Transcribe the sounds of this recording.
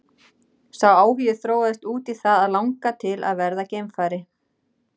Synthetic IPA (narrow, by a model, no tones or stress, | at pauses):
sawaːwviɪθɾoːwaðɪst̪uːt̪iθaðaðlawŋkat̪ʰɪlʔa̰ðvɛɾðacejmfaːɾɪ